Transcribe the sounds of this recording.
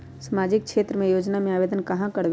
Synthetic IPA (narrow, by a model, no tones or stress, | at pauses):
səmaːd͡ʒɪk̚kʃeːt̪ɾəmẽjoːd͡ʒnamẽaːʋeːd̪ənkɐɦãkɐɽʋ